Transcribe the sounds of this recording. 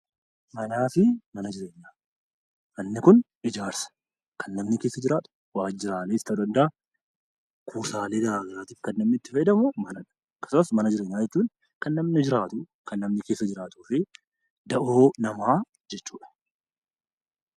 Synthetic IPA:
mɐnaːfɪmɐnɐd͡ʒɪɾe̞ːɲːaː | mɐnːɪkʊn | ɪd͡ʒaːɾsɐ̥ | kɐnːɐmnɪke̞ːsːɐd͡ʒɪɾaːt̪ɐ̥waːd͡ʒɪɾaːleːɪst̪ːɐd̪ɐnd̪ɐʔɐ | kʰuːsaːle̞ːɡɐɾaːɡɐɾaːt̪iːfkɐnːɐmnɪt̪ːɪfɐd̪ɐmʊmɐnɐᶑɐ̥ | ɐkːɐ̥sʊmɐsmɐnɐd͡ʒɪɾe̞ːɲːaːd͡ʒɛt͡ʃːuːn | kɐnːɐmnɪd͡ʒɪɾaːt̪ʊ | kɐnːɐmnɪke̞ːsːɐd͡ʒɪɾaːt̪uːfɪ | d̪ɐʔo̞ːnɐmaː | d͡ʒɛt͡ʃːuːᶑɐ̥

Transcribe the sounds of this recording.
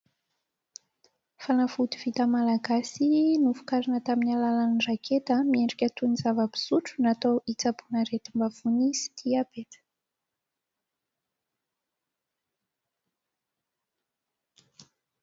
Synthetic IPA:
fanafut̪iv̥it̪əmalaɡasinufu̥kaɾinət̪aminalalanirakʰet̪əmieɳɖ͡ʐikʲət̪unizavəbi̥suʈ͡ʂu̥nat̪owit͡sabunəɾet̪imbav̥unisi̥t̪ʰiabet̪ə̥

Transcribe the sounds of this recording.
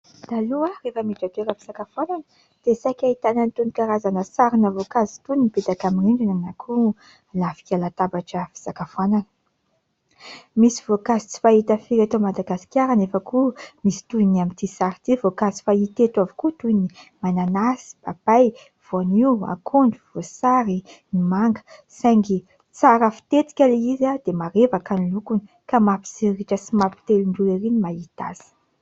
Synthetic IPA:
d̪̥aluarefəmiʈ͡ʂat̪eɾəfi̥z̥akafwananə | d̪̥esakʲait̪ananit̪unikaɾazanəsaɾinəvokazi̥t̪uniiped̪akaminiɳɖ͡ʐinanakʰu | lafi̥kʲalat̪abaʈ͡ʂəfi̥z̥akafuananə̥ | misivokazit͡si̥fait̪əfiɾat̪omad̪aɡasi̥kʲaɾanefəkumisi̥t̪uinamint̪isaɾit̪ivokazi̥fait̪et̪wavikut̪unimananasi̥b̥ab̥aj | v̥oania̰kʰoɳɖ͡ʐuv̥osaɾinimaŋɡə̥sajŋɡi | t͡saɾəfi̥t̪et̪i̥kʲaleizad̪̥emaɾevakanilukuni | kamapi̥seɾiʈ͡ʂəsimapi̥t̪eluɳɖ͡ʐueɾinimait̪a̰z̥i̥

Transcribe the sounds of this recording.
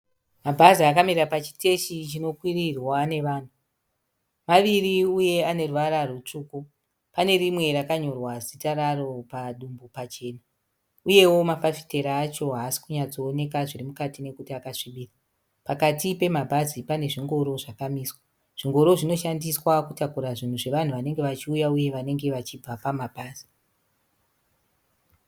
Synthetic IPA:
mabʱaziakamirrapat͡ʃi̥te̞ʃit͡ʃino̞kwirirwane̞ʋaːn̤u | maʋiriuje̞ane̞ruʋaɾarut͡ʂuːku | pane̞rimwe̞rakaɲo̞rwazitaɾaro̞paɗumbupat͡ʃe̞ːna | uje̞wo̞mafafi̥te̞ɾaːt͡ʃo̞ɦasi̥kuɲad͡zoːne̞kaʐirimukatine̞kutiakaʂiɓiːra | pakatipe̞mabʱazipane̞ʐiŋɡo̞ɾo̞ʐakamiswa | ʐ̥iŋɡo̞ɾo̞ʐinoʃandiswakutakuɾaʐin̤uʐe̞ʋan̤uʋane̞ŋɡe̞ʋat͡ʃiujauje̞ʋane̞ŋɡe̞ʋat͡ʃib͡vapamabʱaːz̥i̥

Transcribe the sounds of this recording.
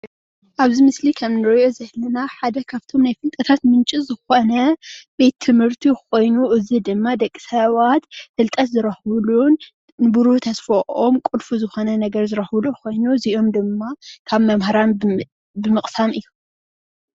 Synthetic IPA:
ʔaβzimɨslikʰɐmnɨɾɔjo̞zɨhlɨnaħad̪ɐkʰaβt̪ʰo̞mnajfɨlt̪ʼɐt̪ʰat̪mɨnt͡ʃʼizɨxo̞nɐb̥e̞t̪ʰːɨmhɨɾt̪ʰiko̞jnuʔɨzid̪ɨmːad̪ɐkʼːi̥sɐβat̪fɨlt̪ʼɐt̪zɨɾɐxβlun | nɨbuɾut̪ʰɐsfɐʔomkʼʊlfuzɨxo̞nɐnɐɡɐɾzɨɾɐxβɨlukʰo̞jnuziʔo̞md̪ɨmːakʰaβmɐmhaɾan | bɨmɨχʼsamɨjːum

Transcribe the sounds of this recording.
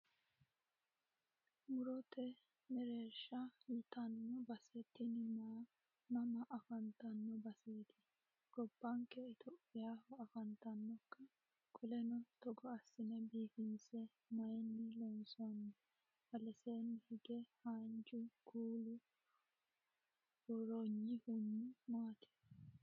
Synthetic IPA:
mʊɾɔt̪ɛ | nɛɾeːʃɐjɪt̪ɐnːɔbɐsɛt̪ːɪnɪmɐ | nɐmɐʔɐfɐnt̪ɐnːɔbɐseːt̪ɪ̥ | ɡ̥ɔbːɐŋkɛɪt̪ʰɔʔɪjaːfɐɐfɐnt̪ɐnːɔkːɐ | kʼʊlɛnɔt̪ɔɡɔɐsːɪnɛbiːfɪnsɛ | mɐjɛnːɪlɔnsɔɐnːɛ | bɐlɛseːnːɪhɪɡɛhand͡ʒʊɡuːlʊ | hɔɾoɲːɪhʊnːɪmaːt̪ʰɛ̥

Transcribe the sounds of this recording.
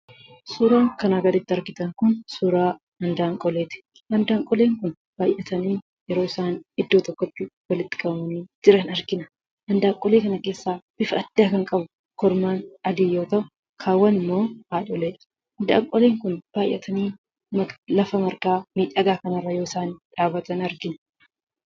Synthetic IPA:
suːɾaːŋkɐnaːɡɐd̪ɪt̪ːɐɾkɪt̪ɐŋkʊnsuːɾaː | ɐnd̪aːŋkʼɔleːt̪ɪ̥ | hɐnd̪aːŋkʼɔle̞ːŋkʊn | b̥aːjʔːɐt̪ɐniː | jɛɾo̞ːɪsaːnɪd̪ːoːt̪ɔkːɔt̪ːɪwɐlɪt̪ːɪ̥kʼɐbɐmɐniːd͡ʒɪɾɐnɐɾkɪnɐ | ʔɐnd̪aːŋkʼɔleːkɐnɐke̞ːsːaːb̥ɪfɐɐd̪̥ːaːkɐŋkʼɐbʊ | kɔɾmaːnɐd̪iːjoːt̪ɐʔʊ | kʰaːwːɐnɪmːo̞ːhaːᶑɔleːᶑɐ̥ | ɐnd̪a̰ːŋkʼɔle̞ːŋkʊnb̥aːjʔːɐt̪ʰɐniː | mɐlɐfɐmɐɾkaːmiːᶑɐɡ̪aːkɐnɐrːɐjo̞ːɪsaːnᶑaːbɐt̪ɐnɐɾɡɪn

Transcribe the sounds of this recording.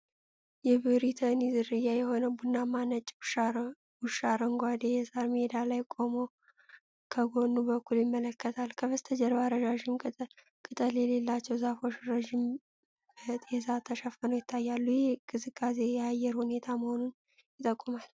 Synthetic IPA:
jɛβɨɾit̪ʰənizɨɾɨjːajɛho̞nəbunːamanət͡ʃʼ | wuʃaɾəŋɡʷad̪ejɛsaɾmed̪alajkʼo̞mo̞ | kʰəɡo̞nːubəkʰːuljɪmːələkːət̪ʰalkʰəβəst̪ʰəd͡ʒɛɾbaɾəʒaʒɪm | kʼɨt̪ʼəljɛle̞lːat͡ʃːɛwzafo̞ʃɾəʒɪm | bət̪ʼjɛzat̪ʰːəʃəfənojɪt̪ʰːajːalːujɛɡɨzɨkʼːasejɛajːɛɾhune̞t̪ʰaməho̞nun | jɪt̪ʼəkʼːumal

